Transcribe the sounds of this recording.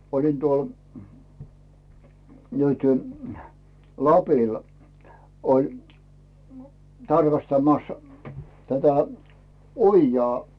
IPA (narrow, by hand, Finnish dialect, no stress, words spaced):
olin tuol nyty lɑpil olʲ tɑrkɑstɑmɑs tætæ ojːɑː